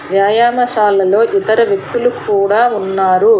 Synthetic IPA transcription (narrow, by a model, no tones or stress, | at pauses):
ʋjaːjaːmɐʃaːlːɐlo̞ːʔit̪ɐɾɐʋjek̚t̪ulukuːɽaːunːaːɾu